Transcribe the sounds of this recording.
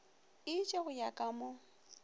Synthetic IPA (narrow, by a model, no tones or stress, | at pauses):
ɪt͡ʃʼeɣʊjakʼamʊ